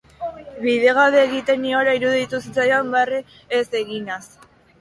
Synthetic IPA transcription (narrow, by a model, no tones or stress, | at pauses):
βið̞e̞ɣ̞aðeːɣit̪e̞nioɾaiɾuðit̪usit͡sajambereː | se̞ɣinas